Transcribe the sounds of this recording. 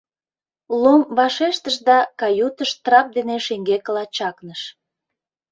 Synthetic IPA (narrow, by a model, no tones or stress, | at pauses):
lomβɑʃeʃt̪əʃd̪ɑkɑjut̪əʃt̪rɑp̚d̪eneʃeŋɡekəlɑt͡ɕɑknəʃ